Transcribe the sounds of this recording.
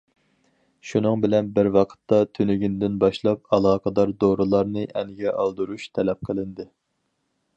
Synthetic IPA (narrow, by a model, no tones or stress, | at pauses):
ʃunɨŋbɪlɛnbɪɾwɑqʰə̥t̪ːɑt̪ʰynyɡʲind̪ɪnbɑʃlˠɑp̚ɑlˠɑːqɑd̪ɑɾd̪oɾulˠɑɾnɨʔɛnɪɡʲɛʔɑlˠd̪uɾuʃt̪ʰɛlɛp̚qʰəlˠɪnd̪ɨ